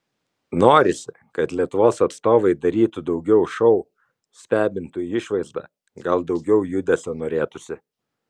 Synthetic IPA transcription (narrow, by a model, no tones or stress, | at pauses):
noːɾʲɪsʲɪ | kɐt̪lʲiɛt̪ʊʋoːsɐt̪st̪oːʋɐɪd̪ɐɾʲiːt̪ʊd̪ɒʊɡʲɛʊʃɔʊ | sʲt̪ʲæːbʲɪnt̪uːjiɪʃʋɐɪzd̪ɑ̰ː | ɡɐlˠd̪ɒʊɡʲɛʊjʊd̪ʲɛsʲonoːɾʲeːt̪ʊsʲɪ